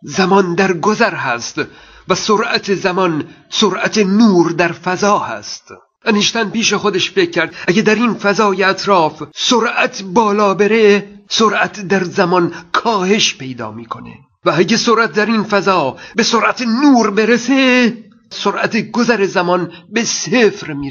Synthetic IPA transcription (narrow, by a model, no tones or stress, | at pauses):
zæmɒnd̪æɾɡozæɾɦæst̪ | væsoɾʔæt̪ʰezæmɒn | soɾʔæt̪ʰenuːɾd̪æɾfæzɒːhæ̰st̪ | ʔæneʃt̪ænpiːʃexod̪eʃfecʰːæɾd̪æɡed̪æɾinfæzɒːjeæt̪ʰɾɒːfsoɾʔæt̪ʰbɒːlɒːbeɾesoɾʔæt̪ʰd̪æɾzæmɒnkʰɒːhe̞ʃpe̞jd̪ɒ̰ːmiːkʰo̞nḛ | vææɟesoɾʔæt̪̚d̪æɾinfæzɒːbe̞soɾʔæt̪ʰenuːɾbeɾese | soɾʔæt̪ʰeɡozæɾezæmɒnbe̞seːfɾmiː